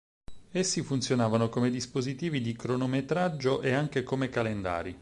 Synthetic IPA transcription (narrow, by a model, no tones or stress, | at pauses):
esːifunt̪sjonaːvanokomed̪ispozit̪iːvid̪ikɾonomet̪ɾad͡ʒːoʔeaŋk̟ekomekalend̪a̰ːɾi